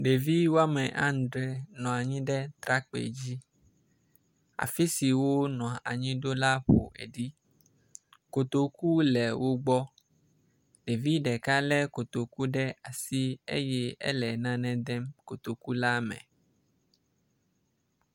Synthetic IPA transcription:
ɖe˨vi˦wo˦a˦mɛ̃˨ʔã˦n˨d̪ɾɛ˨nɔ̃˨a˨ɲĩ˦ɖɛ˦t̪ɾa˦k͡pḛ˨d͡ʑi˦ | a̰˨fi˦si˨wo˦nɔ̃˨a̰˨ɲĩ˦ɖo˦la˦ɸo̰˨ʔḛ˨ɖi˦ | ko˨t̪o˨ku˦lɛ˨wo˦ɡ͡bɔ˦ | ɖe˨vi˦ɖɛ˨ka˦lɛ˦ko˨t̪o˨ku˦ɖɛ˦a˨si˦ḛ˦jɛ˦ɛ̰˦lɛ˨nã˦nɛ̃˦d̪ɛ˦mko˨t̪o˨ku˦la˦mɛ̰̃˨

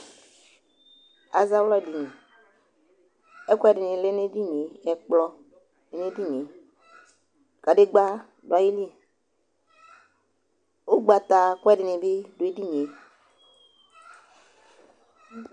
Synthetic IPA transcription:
a˨za˦wlɔ˦˨di˨ni˨ | ɛ˦kwɛ˦˨di˨ni˨le˦ne˦di˦ɲe˨˦ɛ˨k͡plɔ˦ | e˨ne˦di˦ɲe˨ | ka˨de˦ɡ͡ba˦ | da˨˦ji˦li˦e˨ | o˦ɡ͡ba˨t̪a˨kwɛ˦di˨ni˨bɪ˦do˨e˦di˦ɲ˨e˨

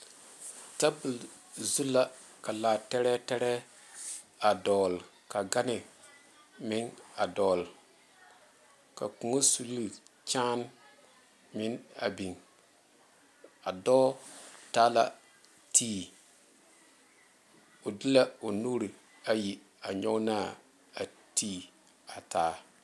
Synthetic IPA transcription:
ta˦bu˨l | zu˦la˦ | ka˨laː˨tɛ˦ɾɛ˦tɛ˦ɾɛ˦ | a˨dɔː˨l | ka˨ɡa˦nɪ˨ | mɪ˦ŋa˨dɔː˨l | ka̰˨ku˨ŋo˦su˨li˦˨t͡ʃaː˦n | mɪ˦na̰˨bi˨ŋ | a˨dɔː˦taː˦la̰˨ | tʰiː˦˨ | o˨di˦la˦o˨nuː˦ɾi˨ | a˨ji˨ | a˨ɲɔ˦naː˦˨ | a˨ | tʰiː˦ | a˨tʰaː˨˦

